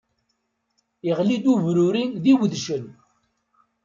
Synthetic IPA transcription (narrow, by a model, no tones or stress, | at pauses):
iʁlid̪uvɾuɾinðiwðʃən